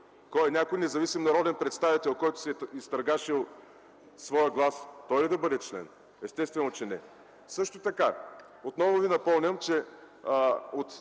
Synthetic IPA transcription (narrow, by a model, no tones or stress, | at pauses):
kɔɛnʲakojnɛzɐvisimnɐɾɔd̪ɛnpɾɛt̪st̪avit̪ɛlˠkɔjt̪ʊ̥siɛist̪ɾɐɡaʃilˠ | svɔjəɡlˠast̪ɔjlid̪ɐbɤd̪ɛt͡ʃlɛ̰n | ɛst̪ɛst̪vɛnot͡ʃɛnɛ | sɤʃt̪ot̪ɐka | ot̪nɔvʊvinɐpɔmnʲəmt͡ʃɛ | ot̪